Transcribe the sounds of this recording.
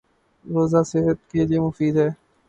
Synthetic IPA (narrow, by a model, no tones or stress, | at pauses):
ɾoːzaːseɦət̪̚keliemʊfiːd̪ɦɛː